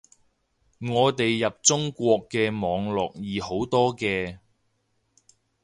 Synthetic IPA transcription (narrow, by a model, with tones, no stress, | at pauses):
ŋɔː˨˧t̪e˨jːɐ˨p̚t͡sʊ˥ŋkʷɔː˧kːɛː˧mɔː˨˧ŋlɔ̰ː˨k̚jiː˨˩ho˨˥wt̪ɔː˥kɛː˧